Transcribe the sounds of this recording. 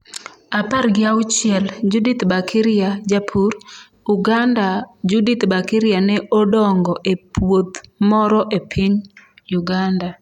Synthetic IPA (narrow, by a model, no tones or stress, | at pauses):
aparɡɪawʊt͡ʃɪɛld͡ʒudit̪bakʰɪɾɪad͡ʒapʰur | uɡandad͡ʒudit̪bakiɾɪanɛʔɔdɔŋɡɔʔepʰwot̪mɔɾɔʔepʰiɲ | juɡanda